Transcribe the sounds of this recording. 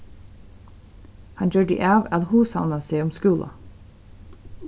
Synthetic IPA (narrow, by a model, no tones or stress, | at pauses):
hɑnd͡ʒøːɖḭʔɑːʋɑd̪huːsɑ̰ʋnəseːɔmskʉːlʔɑ̰